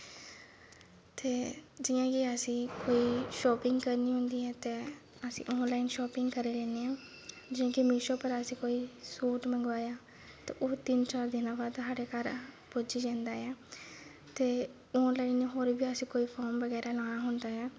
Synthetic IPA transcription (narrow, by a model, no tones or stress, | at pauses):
t̪eːd͡ʒɪjãːkiəsĩːkoːiːʃɔːpɪ̃ŋɡkəɾniːɦʊ̃nd̪iːɦɛːt̪eː | əsḭ̃ːʔɔːnlaːiːnʃɔːpɪŋɡkəɾeːlẽːneːãː | d͡ʒɪjãːkimɪːʃõːpəɾəsĩːkoːiːsuːʈmə̃ŋɡʋaːjaː | t̪ḛːʔoːt̪ɪnt͡ʃaːɾd̪ɪnãːbaːd̪saːɽeːkəɾ | pod͡ʒiːd͡ʒãːnd̪aːɛː | t̪eː | ɔːnlaːineːɦoːɾbiːəsĩːkoːiːpʰɔːɾmʋəɡɛːɾaːlãːnaːɦʊnd̪aːɦɛː